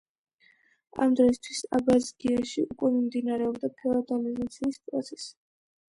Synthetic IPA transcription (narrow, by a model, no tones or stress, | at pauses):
a̰md̪ɾɔist̪ʰwisa̰bazidiaʃḭukʼwɛmimd̪inaɾɛɔbd̪apʰɛɔd̪aliznat̪sʰiːspʼɾɔt̪sʰɛ̥s